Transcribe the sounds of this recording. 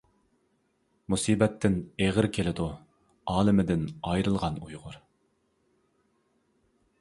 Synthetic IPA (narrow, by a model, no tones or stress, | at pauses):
musiːbɛt̪ʰːɪneʁɪɾkʲʰelɪd̪u | ɑːlˠɪmɪd̪ɪnɑjɾɨlˠʁɑnujʁʊɾ